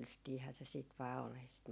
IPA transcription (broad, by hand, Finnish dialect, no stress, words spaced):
lystiːhæː se siːt ʋɑː ol ei sit